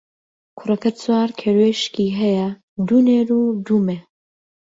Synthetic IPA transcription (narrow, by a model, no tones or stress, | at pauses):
kʰʊrɐkɐt͡swaːɾkʰeːɾweːʃkʲiːɦɛjɐ | d̪uneːɾud̪umeː